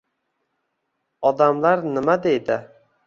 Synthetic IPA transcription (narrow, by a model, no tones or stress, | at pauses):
ɒd̪amlaɾnɪmad̪ejd̪ɪ